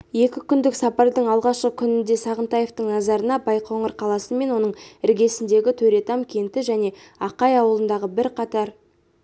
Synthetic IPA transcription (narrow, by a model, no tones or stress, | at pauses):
je̞kʲɪkʲʰʏnd̪ɪksɑpɑɾd̪əɴɑlˠʁɑʃqəkʲʰʏnɪnd̪e̞sɑʁənt̪ɑjeft̪əɴnɑzɑɾənɑbɑjqʰoɴəɾqʰɑlˠɑsəme̞nwo̞nəɴɪɾɡʲe̞sɪnd̪eɡʲɪt̪ʰɵɾe̞t̪ɑmkʲʰe̞nt̪ɪʒæne̞ | ɑqɑjɑwəlˠənd̪ɑʁəbɪɾqʰɑt̪ɑɾ